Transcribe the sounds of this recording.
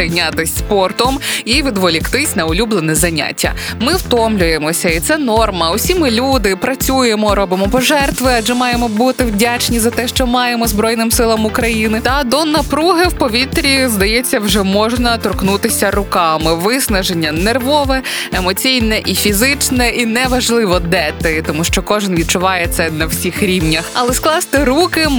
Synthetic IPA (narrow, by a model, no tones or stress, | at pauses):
ɪjnʲat̪ɪsʲspɔrt̪ɔmiʋʲid̪ʋɔlʲikt̪ɪsʲnɐʊlʲublˠenɛzɐnʲa̰tʲːɐ̰mɪwt̪ɔmlʲʊjemɔsʲɐit̪sɛnɔrmɐʊsʲimɪlʲud̪ɪpɾɐt͡sʲujemɔɾɔbɨmɔpɔʒɛrt̪ʋɪɑd͡ʒɛmɑjemɔbut̪ɪwdʲat͡ʃnʲizɐt̪ɛʃt͡ʃɔmɑjemɔzbɾɔjnɪmsɪlˠɐmʊkɾɐjinɪt̪ɐd̪ɔnɐpɾuɦɪwpɔʋʲit̪ɾʲizd̪ɐjɛt͡sʲːɐwʒɛmɔʒnɐt̪ɔrknut̪ɪsʲɐɾʊkɑmɪʋɪsnɐʒenʲːɐnerʋɔʋɛemɔt͡sʲijnɛʔifʲizɪt͡ʃnɛinɛʋɐʒlˠɪʋɔd̪ɛt̪ɪt̪ɔmuʃt͡ʃɔkɔʒɪnʋʲid̪̚t͡ʃʊʋɑjɛt̪sɛnɐwsʲixɾʲiwnʲɐxɐlˠɛsklˠɑst̪ɪɾukɪ